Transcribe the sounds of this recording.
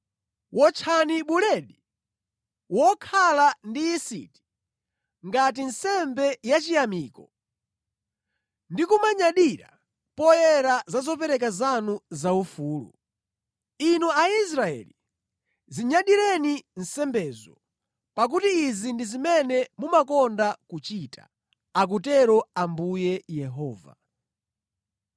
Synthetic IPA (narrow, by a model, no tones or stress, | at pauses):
wʔɔt͡ʃʰaniɓulɛɗi | wɔkʰalandiisḭti̥ | ŋɡat̬insɛmbɛjat͡ʃijamiːkɔ | ndikumaɲaɗiɾa | pɔjɛɾazazɔpɛɾɛk̬azanuzaufuːlṵ | inuais̬ɾaɛ̰li | ziɲaɗiɾɛnin̩sɛmbɛːzɔ | pak̬utiːzindizimɛnɛmumakɔndakut͡ʃitʰa̰ | ak̬utɛɾɔambujɛjɛɦɔːva̰